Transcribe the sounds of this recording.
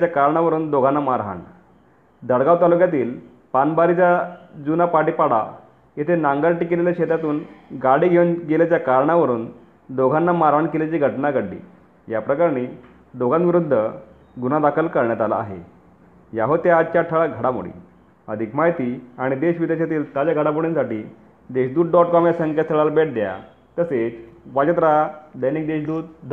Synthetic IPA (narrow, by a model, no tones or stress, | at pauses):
t͡ɕjakaɾɳaʋəɾuːnd̪oɡʱanːamaɾɦa̰ɳ | d̪əɽɡaʋt̪alukjat̪iːl | panbaɾit͡sad͡zunapaɽiːpaɽa̰ | jet̪ʰenãŋɡaɾʈikileljaɕet̪at̪uːnɡaɽiːɡʱeunɡeljat͡ɕjakaɾɳaʋəɾuːn | d̪oɡʱanːamaɾɦaɳkelat͡ɕiːɡʱəʈnaɡəɽːḭː | japɾəkaɾɳiː | d̪oɡʱanʋiɾud̪ʱːə | ɡunad̪akʰəlkəɾɳjat̪ala̰a̰ɦḛ | jaɦot̪jaːd̪t͡ɕaʈʰəɭaɡʱəɽamṵɽḭː | əd̪ʱikmaɦjt̪iːaɽ̃id̪eɕʋid̪eɕat̪iːlt̪at͡ɕjaɡʱəɽap̬uɽinsaʈiː | d̪eɕd̪uːt̪̚ɖɔʈkɔmjasəŋkat̪ʰəɭalbeʈ̚d̪ja̰ | t̪əset͡sʋad͡ʑət̪̬ɾad̪əjniːk̚d̪eɕd̪uːt̪̚